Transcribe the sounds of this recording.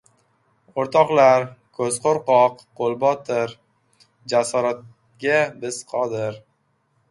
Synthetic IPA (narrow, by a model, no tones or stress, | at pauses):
oɾt̪ʰɒqlaɾkʰɵzqoɾqɒqːʰ | olˠbɒt̪ʰɪɾ | d͡ʒasɒɾat̪̚ | ɡʲabɪz̥qʰɒd̪ɪɾ